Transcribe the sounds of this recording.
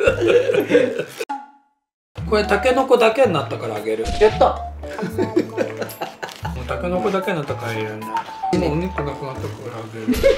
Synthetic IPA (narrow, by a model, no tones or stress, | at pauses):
ko̞ɾet̪ake̞no̞ko̞d̪ake̞ɲːat̪ːakaɾaːɡe̞ɾɯjat̪ːa | moːt̪ake̞noko̞d̪ake̞ɲinat̪ːakaɾaiɾanːe | moɲʲit̪onakɯ̟nat̪ːakoɾaːɡeɾɯ